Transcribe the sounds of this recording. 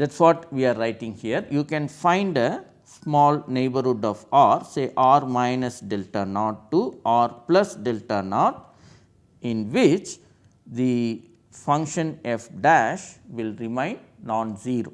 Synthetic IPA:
d̪æʈsʋɔːʈʋiːaːɾɾaɪʈĩŋhiəɾjuːkɛ̃nfãɪ̃ɳɖə | smɔːlneːbəɾhuɖɔːfaːɾseːʔaːɾmãɪnəsɖɛlʈəɾnɔːʈ̚ʈuʔaːɾplʌsɖɛlʈəɾnɔːʈ | ɪ̃nʋɪt͡ʃ | d̪i | fʌ̃ŋkʃə̃nefɖæʃʋɪlɾɪmãɪ̃ɳɖ̚nɔ̃ːnziːɾoː

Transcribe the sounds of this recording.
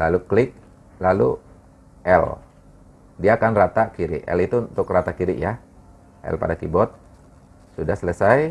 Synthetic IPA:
laluklɪk̚ | lalu | ʔɛ̰l | diaːkanrat̪akiɾɪ̰ʔɛ̰lit̪uːnt̪ʊkrat̪akiɾɪ̰ʔja | ʔɛ̰lpadakibɔt̪̚ | sudahsələsaj

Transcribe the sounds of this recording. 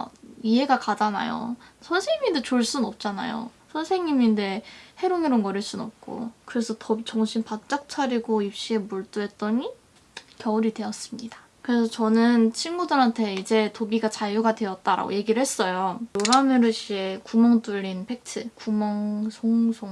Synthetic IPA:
iɦe̞ɡakad͡ʑana̰jo̰sʰʌnsʰeŋinde̞t͡ɕoɭs͈unnʌp̚t͡ɕ͈ana̰jo̰ | sʰʌnsʰe̞ŋɲiminde̞he̞ɾoŋiɾonɡʌɾeɭs͈unʌp̚k͈o̰kɯɾe̞sʰʌtʰʌbit͡ɕʌŋɕʰimpat̚t͡ɕ͈ak̚t͡ɕʰaɾiɡoip̚ɕ͈ie̞muɭt͈uɦe̞t̚t͈ʌɲi | kjʌuɾidwe̞ʌs͈ɯmɲid̥a | kɯɾe̞sʰʌt͡ɕʌnɯnt͡ɕʰinɡudɯɾɦantʰe̞id͡ʑe̞tobiɡat͡ɕajuɡadwe̞ʌt̚t͈aɾa̰ɡo̰je̞ɡiɾɯɭhes͈ʌjojoɾameɾɯɕ͈ie̞kumʌŋt͈uʎːinpʰe̞k̚tʰɯkumʌŋsʰoŋsʰoŋ

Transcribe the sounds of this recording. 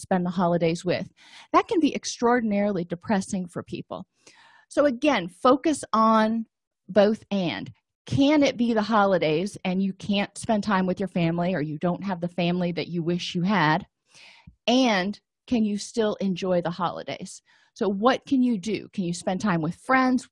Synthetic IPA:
spɛ̃nðəɦɑlˠədeɪzwɪ̰ð | ðɨt̚kɨ̃nbiʔɨkstɹ̥ɔɹdⁿn̩ɛɹl̩ˠidɨpʰɹ̥ɛsɪ̃ŋfə˞pʰḭpl̩ˠ | soʊɨɡɛ̃nfoʊkɨsn̩ | boʊθɨ̃n | kʰɨ̃nɪt̚b̥iðəɦɑlˠəɾeɪzɨ̃njɨkʰæ̃ntspɛ̃ntʰãɪ̃mwɨðjə˞fæ̃mliə˞jɨdõʊ̃nt̚ɦəvðɨfæ̃mliðɨt͡ʃɨwɪʃjɨɨɾ | ɨ̃n | kʰɨ̃njɨstɪlˠɨ̃nd͡ʒɔɪðəhɑ̰lˠə̰dḛɪz̥ | soʊwʌt̚kʰɨ̃njɨdɨ̰kʰɨ̃njɨspɛ̃ntʰãɪ̃mwɨð̥fɹɛ̃ndz̥

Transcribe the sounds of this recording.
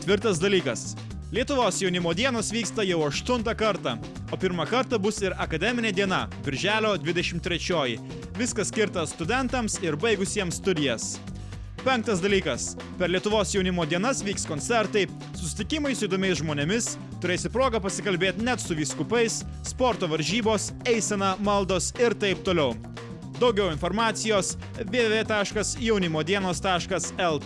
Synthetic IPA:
t̪ʲʋʲɪɾt̪ɐsd̪ɐlʲiːkɐs | lʲiɛt̪ʊʋoːsjɛʊnʲɪmoːd̪ʲiɛnoːsʋʲiːkst̪ɐjɛʊɐʃt̪ʊnt̪ɐkɐɾt̪ɐ | oːpʲɪɾmɐkɐɾt̪ɐbʊsɪɾɐkɐd̪ʲɛmʲɪnʲeːd̪ʲiɛnɐbʲɪɾʲʒʲæːlʲoːd̪ʲʋʲɪd̪ʲɛʃʲɪmt̪ʲːɾʲɛt͡ʃʲoːji | ʋʲɪskɐssʲkʲɪɾt̪ɐst̪ʊd̪ʲɛnt̪ɐmsɪɾbɐɪɡʊsʲiɛmst̪ʊd̪ʲɪjɛs | pʲɛŋk̚t̪ɐsd̪ɐlʲiːkɐs | pʲɛɾlʲiɛt̪ʊʋoːsjɛʊnʲɪmoːd̪ʲiɛnɐsʋʲiːkskoːnʲt̪sʲɛɾt̪ɐɪ | sʊsʲɪ̥t̪ʲɪkʲɪmɐɪsʊɪd̪oːmʲɛɪs̬ʒmoːnʲemʲɪs | t̪ʊɾʲeːsʲɪpɾoːɡɐpɐsʲɪkɐlʲbʲeːt̪ʲnʲɛt̪sʊʋʲiːskʊpɐɪsː | poːɾt̪oːʋɐɾʲʒʲiːboːsɛɪsʲɛnɐmɐlˠd̪oːsɪɾt̪ɐɪp̚t̪oːlʲɛʊ | d̪ɐʊɡʲɛʊɪnfoːɾmɑːt̪sʲɪjoːs | ʋʲeːʋʲeːt̪ɑːʃkɐsjɛʊnʲɪmoːd̪ʲiɛnoːst̪ɑːʃkɐsɛlˠ

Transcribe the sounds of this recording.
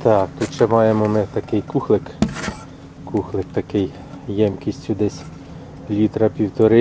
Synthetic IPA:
t̪ɑk̚t̪ut̪t͡ʃɛmɑjemɔmɪt̪ɐkɪjkuxlˠɪk | kuxlˠɪk̚t̪ɐkɪj | jɛmkʲisʲtʲud̪ɛsʲ | lʲit̪ɾɐpʲiwt̪ɔɾɪ

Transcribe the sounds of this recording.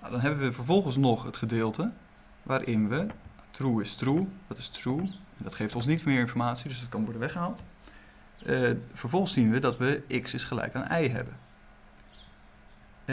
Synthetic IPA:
nawdɑnɦɛbənʋəvəɹvɔlˠχənsnɔχətχədeːlˠtə | ʋaːɾʔɪnʋə | truːɪstrudɑtɪ̥struɛndɔtχeːftɔ̃ns̬nitmɪːɹɪnfɔɹmaːtsidɵsdɔtkɑnʋɔɹdənʋɛχəɦalˠt | vəɹvɔlˠχənsinʋədɑtʋəʔɪksɪsχəlɛ̰jkaːnɛjɦɛ̰bən

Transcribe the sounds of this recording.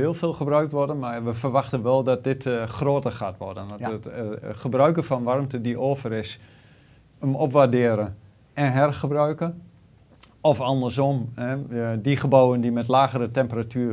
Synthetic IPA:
ɪːlˠfeːlˠxəbrœɥk̚tʋɔrdənmaʋəfərʋaxtənʋɛlˠdɔt̚dɪtxroːtəχaːtʋɔ̰rdənəəχəbrœɥkəfɔnʋarmtədiʔoːfəɾɪs | əmɔpʋardɪəɾə | ɛnɦɛrχəbrœɥkə | ɔfɔndərs̬ɔmɛdiχəbawəndimɛt̬laːɣəɾətɛmpəratʰyə

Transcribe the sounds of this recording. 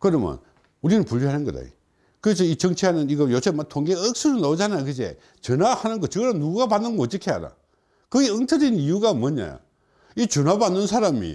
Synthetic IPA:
kɯɾʌmjʌ̰n | uɾinɯnpuɭjoɦanɯnɡʌ̰da̰jo̰ | kɯɾes̬ʰʌit͡ɕʌŋt͡ɕʰianɯniɡʌjosʰematʰoŋɡeɯk̚s͈uɾunaod͡ʑanajokɯd͡ʑḛ | t͡ɕɯnahanɯnɡʌt͡ɕɯɡɯɾanuɡuɡapanːɯnɡoːt͈ɯkʰea̰ɾa̰ | kɯɡeɯŋtʰɯdenijuɡamʌɲa̰jo̰ | it͡ɕɯnabanːɯnsʰaɾamḭ

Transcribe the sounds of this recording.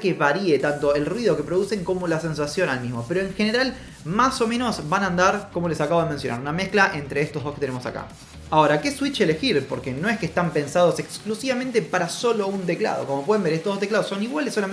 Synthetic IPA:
keβaɾiet̪ant̪o̞elrwiðo̞ke̞pɾo̞ðuse̞ŋko̞mo̞lase̞nsasjo̞nalmizmo̞pe̞ɾo̞eŋxeneɾal | maso̞mẽ̞no̞zbanaːnd̪aɾko̞mo̞le̞sakaβoðemensjo̞na̰ɾuname̞sklaʔe̞nt̪ɾe̞est̪oɦðo̞ket̪enemo̞sa̰ka̰ | ao̞ɾake̞swit͡ʃele̞xiɾpo̞ɾkeno̞eskest̪ampe̞nsað̞o̞se̞ksklusiβamẽnt̪e̞paɾaso̞lo̞unt̪̬e̞kla̰ð̞o̰ko̞mo̞pweðembeɾest̪oɦðot̪eklaðoso̞niɣwalesːo̞la

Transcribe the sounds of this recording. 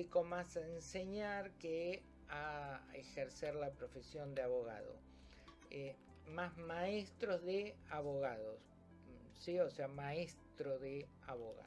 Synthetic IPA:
ikomasaenseɲaɾke | aexeɾseɾlapɾo̞fesjo̞nd̪eaβoɣa̰ðo̰ | e | mazmaest̪ɾozðeaβoɣaðos | sioseamaest̪ɾoðe | aβoɣa̰

